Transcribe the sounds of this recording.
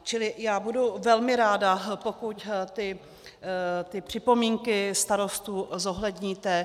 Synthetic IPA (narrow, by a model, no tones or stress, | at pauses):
t͡ʃɪlɪjaːbuduvɛlmɪɾaːdapo̞kuct̪ɪ | t̪ɪpr̝̥ɪpo̞miːŋkɪst̪aɾo̞st̪uːzo̞ɦlɛdɲiːt̪ɛ